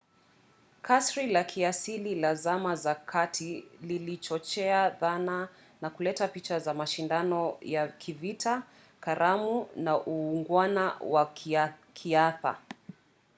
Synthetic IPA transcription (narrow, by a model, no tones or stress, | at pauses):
kʰasɾilakʰiasililazamazakʰatʰililit͡ʃɔt͡ʃɛaðana | nakulɛtapit͡ʃazamaʃindanɔjakʰivitʰa | kaɾamunaʔuːŋɡwanawakʰiaθa̰